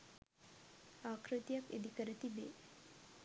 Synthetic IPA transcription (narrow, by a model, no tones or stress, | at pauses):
aːkʰɾɨt̪jɐkḛd̪ikəɾət̪ibḛː